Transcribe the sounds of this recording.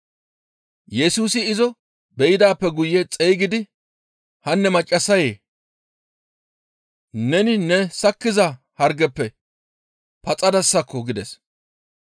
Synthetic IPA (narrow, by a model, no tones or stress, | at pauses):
jɛsuːsɪɪzɔ | bɛjɪd̪aːpːɛɡʊjːɛt͡sʼɛjɡɪd̪ɪ | hɐnːɛmɐt͡ʃʼːɐsːɐjḛː | nɛnɪnɛsɐkːɪzɐ | hɐɾɡɛpːɛ | pɐt͡sʼɐd̪ɐsːɐkʰːɔɡɪd̪ɛs